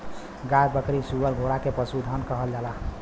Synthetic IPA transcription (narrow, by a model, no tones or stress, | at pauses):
ɡajbəkɾisuʋəɾɡʱoɽakepəsud̪ʱənkəɦəld͡ʒala